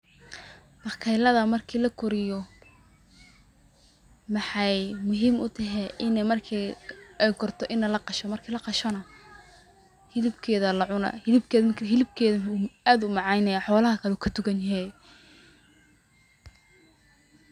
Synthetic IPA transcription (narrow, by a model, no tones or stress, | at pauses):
bɑkʰɛjlɐðɐmɐrkʰiːlɐkʰʊɾɪjɔ | mɑħɑjmʊɦiːmʊt̪ʰɐɦɛʔɪnɛmɐrkʰiɛjkʰɔrt̪ʰɔʔɪnɐlɐqɑʃɔmɐrkʰiːlɐqɑʃɔnɐ | hɪlɪbkʰɛːðɐlɐʕʊnɐ̰hɪlɪb̚kʰɛːɦɪlɪb̚kʰɛːðɐaːd̪ʊmɑʕɑjnɐjaħɔːlɐɦɐkʰɐlɛuːkʰɐd̪ʊɡɐnjɦɛ